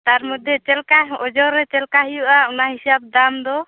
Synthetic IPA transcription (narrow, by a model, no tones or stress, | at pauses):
t̪aɾmud̪ʱɛt͡ʃɛlkaɔd͡ʒɔɾɛt͡ʃɛlkaɦijuʔaunaɦisab̚d̪amd̪ɔ